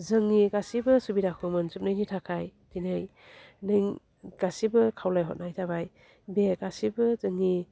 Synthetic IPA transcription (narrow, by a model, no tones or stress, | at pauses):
zɯŋniɡasibɯsubidakʰumɯnzup̚najnitʰakʰajtʰinaj | nɯŋ | ɡ̥asibɐkʰawlajɦɔ̰t̚najtʰabaj | beɡasibɯzɯŋːi